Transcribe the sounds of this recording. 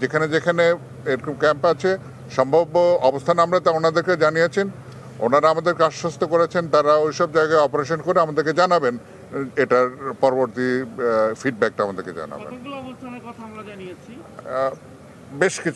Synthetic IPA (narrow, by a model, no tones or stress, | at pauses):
d͡ʑekʰaned͡ʑekʰane | eɾkkɛmpat͡ɕʰe | ʃɔmbʱaboɔbost̪ʰanamɾat̪aonad̪eɾked͡ʑanijet͡ɕʰin | o̰naɾaamad̪eɾkeaʃːost̪ʰokoɾet͡ɕʰent̪aɾaejʃɔb̚d͡ʑaeɡaeɔpoɾeʃonkoɾeamad̪eɾked͡ʑanaben | eʈaɾpɔɾoboɾt̪ifiɖ̚bɛk̚ʈaamad̪eɾked͡ʑa̰na̰bḛnkɔt̪ʰaaaniei | beʃkit͡ɕʰ